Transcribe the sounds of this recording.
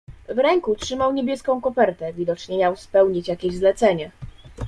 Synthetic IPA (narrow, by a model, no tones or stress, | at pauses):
vɾɛŋkutʂɘmawɲebʲjɛskɔ̃w̃kɔpɛɾt̪ɛvʲid̪ɔt͡ʂɲɛmʲjawspɛwɲit͡ɕjakʲeʑzlɛt̪sɛɲɛ